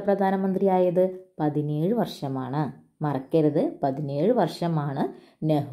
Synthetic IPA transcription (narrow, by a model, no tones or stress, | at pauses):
prɐd̪ʱaːnɐmɐnd̪rijaːjɐðɨpɐðineːɻɨʋɐrʂɐmaːɳɨ | mɐrɐkːɐɾɐðɨpɐðineːɻɨʋɐrʂɐmaːɳɨ | neɦ